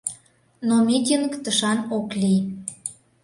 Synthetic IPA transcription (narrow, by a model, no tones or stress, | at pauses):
nomʲit̪̬ʲinkt̪əʃɑnoklʲi